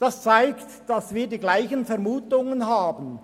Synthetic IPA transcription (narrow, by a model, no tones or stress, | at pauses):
d̥ast͡saɪktd̥asviːɐdiːɡlaɪçənfɛɐmuːtʊŋənɦaːbən̩